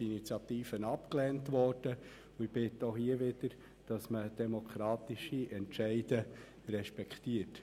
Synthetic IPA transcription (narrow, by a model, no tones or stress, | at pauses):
init͡sjɑt̪iːfənɑpklɛːntʋɔrd̥ə | ʊɪb̥ɪtːohiəʋɪd̥̪əɾ | d̥ɑsməd̥ɛmokʰɾɑːtiʃiʔɛnʃɛɪdə | rɛʃpɛkχtiət